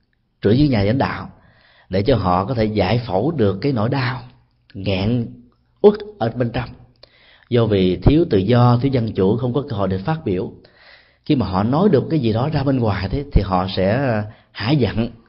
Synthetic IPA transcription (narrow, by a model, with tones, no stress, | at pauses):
t͡ɕɨ̰˧˩əŋzɨ̰˧˥˦ŋɲaː˨˩a̰˨˦ŋ̟ɗa̰ː˧˨w | ɗe˧˩t͡ɕɔ˧ɦɔ̰˧˨kɔ˨˦t̪ʰe˧˩za̰ː˧˨jfə˧˩wɗɨ˨˩əkːaː˨˦jno̰˧˥˨jɗaː˧w | ŋɛ̰˧˨n | ʔu˦˥t̚ʔəː˧˩ɓe˧nt͡ɕɔ˧wŋ͡m | zɔ˧vi˨˩t̪ʰi˨˦əwt̪ɨ̰˧˨zɔ˧t̪ʰi˨˦wzə˧nt͡ɕu˧˩xə˧wŋ͡mkɔ˨˦kə˧ɦo̰˧˨jɗɨ˨˩kfaː˦˥t̚ɓi˧˩əw | xi˧maː˨˩ɦɔ̰˧˨nɔ˨˦jɗɨ˨˩əkːaː˨˦jzi˨˩ɗɔ˨˦zaː˧ɓe˧nŋwaː˨˩jt̪ʰe˨˦t̪ʰi˨˩ɦɔ̰˧˨sɛ̰˧˥ | ha̰ː˧˥jzə̰˧˨n